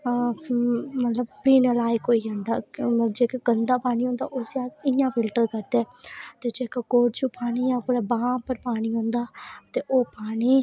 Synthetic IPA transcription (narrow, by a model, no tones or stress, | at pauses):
mət̪ləb̚piːnəlaːiːkoːiːɦãːnd̪aːmd͡ʒeːkaɡənd̪aːpaːñiːɦõːnd̪a̰ːʔʊseaːsɪjãːfʰɪlʈəɾkəɾd̪ɛːt̪eːd͡ʒeːkakoːɽt͡ʃuːpaːñiːjãːkʊɾaːbãːpəɾpaːɳiːɦõːnd̪aːt̪eːʔoːpaːniː